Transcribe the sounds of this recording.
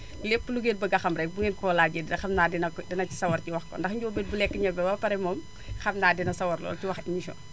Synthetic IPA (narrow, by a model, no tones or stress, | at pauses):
lepːluɡeːt̚bɐɡɐxɐmɾɛk̚buŋɡeːnkɔːlaːɟeddɐxɐmnaːdinɐdɛnɐci̥sɐwɐrciwɐxkɔ̰ndɐxɲɟoːbet̚bulɛkːəɲɐbɛwɐpɐɾɛmɔm | xɐmnaːdinɐsɐwɐrlɔ̰ːlciwɐximiʃɔ̰n